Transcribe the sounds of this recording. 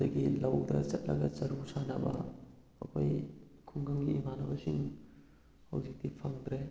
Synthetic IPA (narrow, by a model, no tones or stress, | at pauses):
dɐɡilɐwdɐt͡ʃɐt̚lɐ̰ɡɐt͡ʃɐɾusanɐbɐ̰ | ɐpʰɐjkʰuŋɡɐmɡiːmanɐbɐsiŋ | hɐwzik̚dipʰaŋd̪ɾe